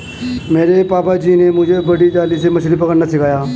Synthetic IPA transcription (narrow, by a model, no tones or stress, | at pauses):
meːɾepaːpad͡ʒiːnemʊd͡ʒʱebɐɽid͡ʒaːlisemɐslip̬ɐkəɽnasɪkaːjaː